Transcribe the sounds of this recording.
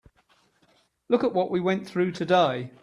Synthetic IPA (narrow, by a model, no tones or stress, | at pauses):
lʊkəʔwɒʔwiwɛ̃nθɹʉːtʰədeɪ